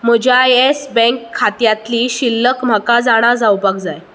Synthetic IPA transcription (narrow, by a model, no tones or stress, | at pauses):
m̤əd͡ʑajesbɛ̃ŋkʰːat̪jat̪liːɕilːəkm̤akad͡zaɽ̃ad͡zawbakd͡zaj